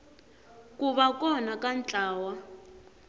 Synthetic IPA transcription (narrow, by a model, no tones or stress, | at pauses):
kuβakɔnakant͡ɬʼaːwa